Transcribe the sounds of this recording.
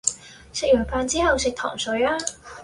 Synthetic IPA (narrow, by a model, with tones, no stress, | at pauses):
sɪ˨˧k̚jœː˨˩faː˧nt͡siː˥hɐ˨˧wsɪ˨˧k̚t̪ʰɔ̰ː˨˩ŋsɵ˨˧˥jaː˥